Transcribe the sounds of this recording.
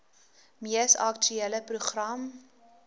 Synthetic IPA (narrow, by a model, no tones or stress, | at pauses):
miəsa̰kt͡ʃyeləpruχrɐm